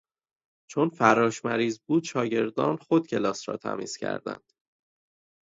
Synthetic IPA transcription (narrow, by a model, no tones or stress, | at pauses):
t͡ʃʰo̞nfæɾɒːʃmæɾiːzbuːd̪ʃɒːɟe̞ɾd̪ɒːnxo̞d̪̚cʰe̞lɒːsɾɒ̰ːt̪ʰæ̰mḭːz̥cʰæ̰ɾd̪æ̰nd̪̥